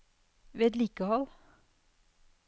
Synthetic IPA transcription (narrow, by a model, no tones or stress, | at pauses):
ʋeːɛt̪liːkəhɔl